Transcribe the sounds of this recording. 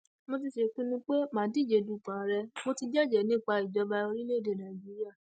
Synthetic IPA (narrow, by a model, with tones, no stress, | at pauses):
mo˧t̬i˧ʃe˨˧k͡pũ˦nũ˧˦k͡pe˦mãː˨˦di˦˨d͡ʒe˨˧˨du˨˦˨k͡pã˨ɾɛ˧mo˧ti˧d͡ʒɛ˦˨d͡ʒɛ˨nĩ˦˨k͡pa˧i˨d͡ʒɔ˧˦ba˧o˧ɾi˦le˦˨de˨nã˨d͡ʒi˦ɾi˦a˦˨